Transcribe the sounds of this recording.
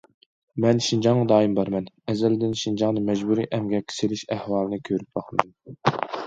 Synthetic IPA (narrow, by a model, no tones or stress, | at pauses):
mɛnʃind͡ʒɑŋʁɑd̪ɑːimbɑɾmɛnɛzɛld̪ɪnʃind͡ʒɑŋnɨmɛd͡ʒbuɾḭːʔɛmɡʲɛkʲʰːi̥selɪʃæhwɑːlˠɨnɨkʲʰøɾyp̚bɑqʰmd̪ɨm